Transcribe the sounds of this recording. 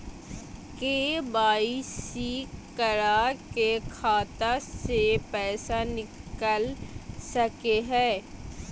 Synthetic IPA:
keːbaːisikkəɾaːkekʰaːt̪asepɛːsanɪkəlsəkeɦɛː

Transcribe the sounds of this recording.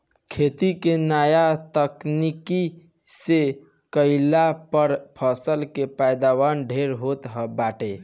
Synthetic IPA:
kʰet̪ikenajat̪əkniki | se | kəɪlapəɾpʰəsəlkepajd̪awanɖʱeɾɦot̪ɦəbaʈe

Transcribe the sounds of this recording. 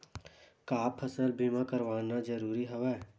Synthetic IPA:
kaːpʰəsəɾbʱiːmãkəɾʋaːnad͡ʒəɾuːɾiɦoʋɛː

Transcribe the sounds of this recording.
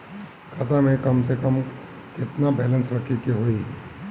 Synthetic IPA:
kʰɐt̪amẽkɐmsekɐm | kɪt̪nabɛːlə̃nsɾɐkʰikiɦoi

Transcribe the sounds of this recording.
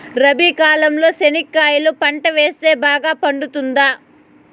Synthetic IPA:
ɾɐbikaːlɐmlo̞ːsenikːaːjulupɐɳʈɐʋe̞ːst̪e̞ːbaːɡaːpɐɳɖut̪und̪aː

